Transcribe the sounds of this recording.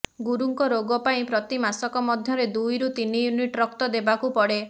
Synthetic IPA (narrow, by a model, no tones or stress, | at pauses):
ɡuɾuŋkɔɾoɡɔpaĩpɾɔt̪imasɔkɔmɔd̪ʱjɔɾed̪ujɾut̪inijuniʈɾɔkt̪ɔd̪ebakupɔɽe